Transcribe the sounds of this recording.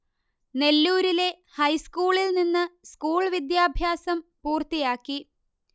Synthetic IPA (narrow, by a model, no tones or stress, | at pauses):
ne̞lːuːɾile̞ | hɐjskuːɭilninːɨskuːɭʋid̪jaːbʱjaːsɐmpuːrt̪ijaːkːi